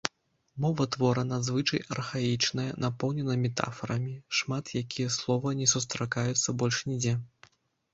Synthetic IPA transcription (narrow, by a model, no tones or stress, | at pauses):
mɔvɐt̪vɔɾɐnad̪zvɨt͡ʂɐjɐ̰rxait͡ʂnɐjɐnʔapɔwnʲɛnɐmʲɛt̪a̰fɐɾɐmʲiʂmat̪jakʲijɛslˠɔvɐnʲɛsust̪ɾakajut̪sːɐbɔlʲʂnʲid͡zʲɛ